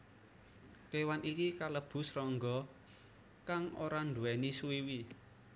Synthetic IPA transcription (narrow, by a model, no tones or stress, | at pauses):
t̪ewanʔikikaləb̥ʊ̤srɔŋɡɔ | kaŋo̰ɾand̪uɛnisuiwi